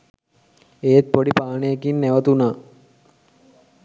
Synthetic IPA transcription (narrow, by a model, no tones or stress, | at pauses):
ejet̪̚poɖipaːɳejekinːeʋət̪unaː